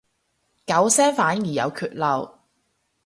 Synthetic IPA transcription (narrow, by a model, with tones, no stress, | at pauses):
kɐ˨˥wsɛː˥ŋfaː˨˥njiː˨˩jɐ̰˨˧wkʰyː˧t̚lɐ˨˧w